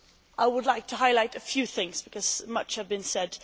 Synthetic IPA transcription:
ʔaɪwədˡlaɪk̚tʰəɦaɪlaɪɾɨfjʉθɪ̃ŋzb̥ɨkʰʌz̥mʌt͡ʃhɨvbɨ̃nsɛd̥

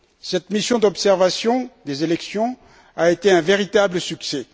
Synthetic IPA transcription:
sɛt̪misjɔ̃d̪ɔpsɛʁvasjɔ̃d̪ezelɛksjɔ̃ | aet̪eɛ̃veʁit̪abləsyksɛ

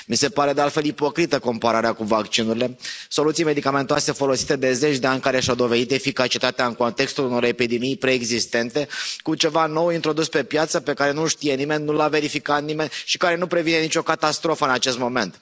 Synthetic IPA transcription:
mise̞paɾe̞d̪ealt̪fe̞lipo̞kɾit̪əko̞mpaɾaɾeakuvakt͡ʃinuɾile̞so̞lut̪sijme̞d̪ikame̞nt̪oase̞fo̞lo̞si̥t̪e̞d̪e̞ze̞t͡ʃʲd̪eanʲkaɾe̞ʃawd̪o̞ve̞d̪it̪e̞fikat͡ʃit̪at̪eaɨŋko̞nt̪e̞kst̪uluno̞ɾe̞pid̪e̞mijpɾe̞ːɡzist̪e̞nt̪e̞kut͡ʃe̞vano̞wint̪ɾo̞d̪uspe̞pjat̪səpe̞kaɾe̞nuʃt̪ije̞nime̞nʲnulave̞ɾifikat̪nime̞nʲʃi̥kaɾe̞nupɾe̞vine̞nit͡ʃo̞kat̪ast̪ɾo̞fəɨnat͡ʃe̞st̪mo̞me̞nt̪

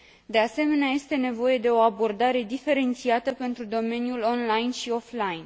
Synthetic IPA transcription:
d̪e̞ase̞me̞neaje̞st̪e̞ne̞vo̞je̞d̪e̞o̞abo̞rd̪aɾe̞d̪ife̞ɾe̞nt̪siat̪əpe̞nt̪ɾud̪o̞me̞njulo̞nlajnʃio̞flajn

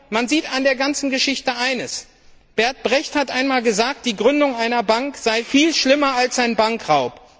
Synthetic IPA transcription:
manziːtandeːɐɡant͡sn̩ɡəʃɪçtəʔaɪnəs | b̥ɛɐt̚b̥ʁɛçthatʔaɪnmaːlɡəzaːk̚t̚d̥iːɡʁʏndʊŋʔaɪnɐbaŋkz̥aɪfiːlʃlɪmɐalsz̥aɪnbaŋkʁaʊp

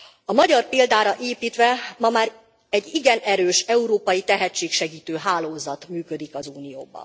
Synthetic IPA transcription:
ɒmɒɟɒrpeːld̪aːɾɒʔeːpiːt̪ʋɛmɒmaːɾ | ɛɟːiɡɛnɛɾøːʃɛuɾoːpɒjit̪ɛɦɛt͡ʃːeːkʃɛɡiːt̪øːɦaːloːzɒt̪myːkø̞d̪ikɒzuːnijo̰ːbɒ̰n

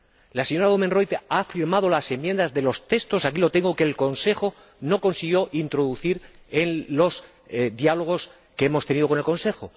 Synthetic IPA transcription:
lase̞ɲo̞ɾaɣomenro̞jt̪afiɾmað̞o̞lase̞mje̞nd̪azðe̞lo̞st̪e̞st̪o̞sakilo̞t̪e̞ŋɡo̞ke̞ːlko̞nse̞xo̞ | no̞ko̞nsiɣ̞jo̞ʔint̪ɾo̞ðuθiɾe̞nlo̞s | d̪jalo̞ɣ̞o̞s | keemo̞st̪eniðoko̞ne̞lko̞nse̞xo

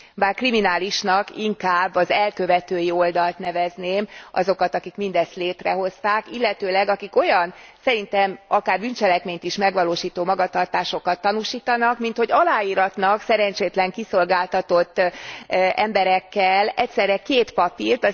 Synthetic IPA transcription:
baːrkriminaːliʃnɒkiŋkaːbːɒzɛlkø̞vɛt̪øːjio̞ld̪ɒlt̪nɛvɛzneːmɒ̰zo̞kɒt̪ɒkikmind̪ɛst̪leːt̪rɛɦo̞st̪aːkilːɛt̪øːlɛɡɒkiko̞jɒnsɛɾint̪ɛmɒkaːrbynt͡ʃɛlɛkmeːɲt̪iʃmɛɡʋɒloːʃiːt̪oːmɒɡɒt̪ɒrt̪aːʃo̞kɒt̪ːɒnuːʃiːt̪ɒnɒkmint̪ho̞ɟɒlaːiːɾɒt̪nɒksɛɾɛɲt͡ʃeːt̪lɛŋkiso̞lɡaːlt̪ɒt̪o̞t̪ː | ʔɛmbɛɾɛkːɛlɛcsɛrɾɛkeːt̪pɒpiːrt̪ɒ

